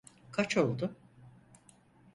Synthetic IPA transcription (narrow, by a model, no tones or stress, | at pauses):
kʰat͡ʃʰo̞lˠd̪ʊ